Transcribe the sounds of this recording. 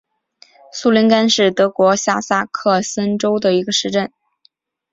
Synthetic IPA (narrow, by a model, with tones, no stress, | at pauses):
su˥˩li˧˥nka˥nʂɻ̩˥˩t̪ɤ˧˥kwɔ˧˥ɕja˥˩sa˥kʰɤ˥˩sə˥nʈ͡ʂo˥ʊd̪ə˨i˧˥ɡə˧ʂɻ̩˧˥˧ʈ͡ʂə˥˩n